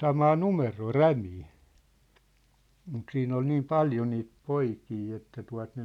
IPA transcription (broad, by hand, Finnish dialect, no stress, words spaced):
sɑmɑː numeroː ræmiː mut siːn ol niːm pɑljo niːt poikiː etːæ tuɑ̝t ne